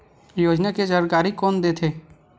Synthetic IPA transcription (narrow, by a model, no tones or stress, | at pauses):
joːd͡ʒnaked͡ʒəɾɡaːɾikoːnd̪eːt̪ʰeː